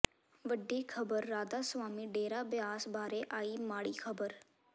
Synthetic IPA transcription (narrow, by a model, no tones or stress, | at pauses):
ʋəɖːiːkʰəbəɾːaːd̪aːswaːmiːɖeːɾaːbɪjaːsbaːɾeːʔaːiːmaːɽiːkʰəbəɾ